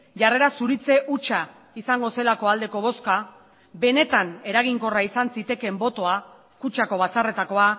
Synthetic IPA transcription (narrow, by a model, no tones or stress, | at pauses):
ʝare̞ɾasuɾit͡se̞ʔut͡ʃa | isaŋɡo̞se̞lako̞ald̪e̞ko̞β̞o̞ska | be̞ne̞t̪ane̞ɾaɣ̞iŋko̞raisansit̪e̞ke̞mbo̞t̪o̞a | kut͡ʃako̞β̞at͡sare̞t̪ako̞a